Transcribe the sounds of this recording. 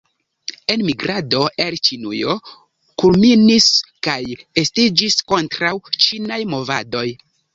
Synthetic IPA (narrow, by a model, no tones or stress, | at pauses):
e̞nmiɡɾado̞ʔelt͡ʃinujo̞ | kulminiskaje̞stid͡ʒisko̞ntɾawt͡ʃinajmo̞vado̞j